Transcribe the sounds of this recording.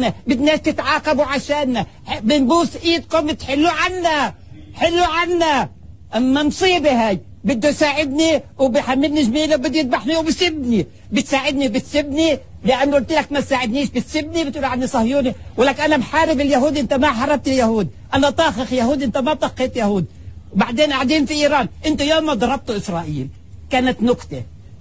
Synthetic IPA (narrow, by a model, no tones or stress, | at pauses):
nabɪd̪neːʃt̪ɪt̪ʕaːqɑbuʕaʃeːnːa | bɪnbuːsʔiːd̪kʊmɪt̪ħɪlːuʕanːa | ħɪlːuʕanːa | ʔamːansˤiːbihaːj | bɪd̪ːusaːʕɪd̪niwbɪħamːɪlniʒmiːlawbɪd̪ːujɪd̪̚baħniwbsɪbni | bɪt̪saːʕɪd̪nibɪt̪sɪbni | lɪʔanːʊʔlt̪ilakmasaːʕɪd̪niːʃbɪt̪sɪbnibɪt̪ʔuːlʕanːisˤɑhjuːniwalːaːknʔanamħaːɾɪbɪljahuːd̪ʔɪnt̪amaħɑrˤːɑb̚t̪ɪljahuːd̪ | ʔanat̪ˤɑːxɪxjahuːd̪ʔɪnt̪amat̪ˤɑqːeːt̪jahuːd̪̚ | wbaʕd̪eːnʔaʕd̪iːnfiʔiːɾɑːnʔɪnt̪ʊjoːmːad̪ˤɑɾˤɑb̚t̪uʔɪsɾˤɑːʔiːl | kaːnat̪nʊqt̪e